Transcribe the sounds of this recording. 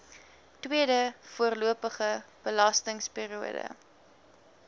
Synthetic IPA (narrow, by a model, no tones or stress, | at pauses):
twiədəfuərluəpəχəb̥əlɐstəŋspiːɾiuədə̰